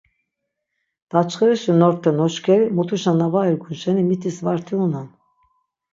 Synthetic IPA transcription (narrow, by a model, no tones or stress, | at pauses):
d̪̥at͡ʃʰχɛɾɛʃinɔɾt̪ʰːɛnɔʃkʰɛɾimut̪ʰuʃanavaɛɡunʃɛnimit̪ʰisvaɾt̪ʰiunan